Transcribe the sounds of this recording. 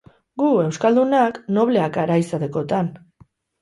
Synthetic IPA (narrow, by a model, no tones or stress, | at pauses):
ɡue̞wskald̪unakno̞β̞le̞akaɾajsaðeko̞t̪an